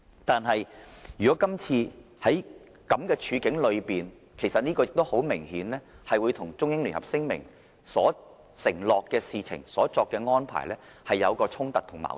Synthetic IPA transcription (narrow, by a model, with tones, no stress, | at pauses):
t̪aː˨nɦɐ˨jjyː˨kɔː˨˥kɐ˥mt͡sʰiː˧ | hɐ˨˥j | kɐ˨˥mkɛː˧t͡ʃʰyː˨˧kɪ˨˥ŋlɵ˨˧ɥpiː˨n | kʰe˨˩jsɐ˨t̚niː˥kɔː˧jɪ˨k̚t̪o˥who˨˥wmɪ˨˩ŋhiː˨˥nlɛː˥hɐ˨jwuː˨˧jt̪ʰʊ˨˩ŋt͡sʊ˥ŋjɪ˥ŋly˨˩nhɐ̰˨p̚sɪ˥ŋmɪ̰˨˩ŋ | sɔː˨˥ | sɪ˨˩ŋlɔː˨kːɛː˧siː˨t͡sʰɪ̰˨˩ŋsɔː˨˥t͡sɔː˧kːɛː˧ŋɔː˥npʰa̰ː˨˩jlɛː˥ | hɐ˨jːɐ˨˧wkɔː˧t͡sʰʊ˥ŋt̪ɐ˨t̚t̪ʰʊ˨˩ŋma̰ː˨˩